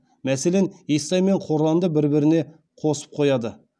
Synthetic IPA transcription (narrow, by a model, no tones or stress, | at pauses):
mæse̞le̞nesːɑjme̞ɴqʰo̞ɾlˠɑnd̪əbɪɾbɪɾɪne̞ | qʰo̞sə̥p̚qʰo̞jɑd̪ə